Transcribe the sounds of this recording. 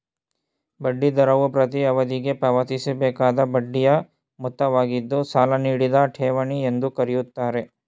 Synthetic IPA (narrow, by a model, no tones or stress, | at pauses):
bɐɖːid̪ɐɾɐʋupɾɐt̪̬iɐʋɐd̪iɡe̞pɐʋɐt̪isɛbɛːkaːd̪ɐbɐɖːijɐ | mut̪ːɐʋaːɡid̪ːusaːlɐniːɽid̪ɐʈʰɛːʋɐɳiend̪ukɐɾijut̪ːaːɾe̞